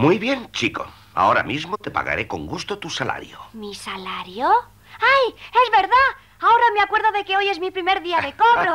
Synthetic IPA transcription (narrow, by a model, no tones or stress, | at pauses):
mujβjent͡ʃiko̰ | a̰o̞ɾa̰mizmot̪e̞pa̰ɣa̰ɾeko̞̰ŋɡust̪ot̪usala̰ɾjomisalaɾjo | ajezβe̞ɾða | aoɾameakwe̞ɾðoðe̞keo̞je̞zmipɾimeɾðiaðekoβɾo